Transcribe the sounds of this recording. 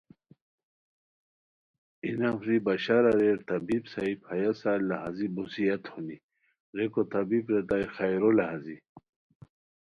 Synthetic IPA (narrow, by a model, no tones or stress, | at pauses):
inafɾibaɕaɾaɾeɾt̪ɐbibsaiphajasalːaɦazibusijɐt̪huni | ɾekot̪abibɾet̪ajxajɾolaɦazi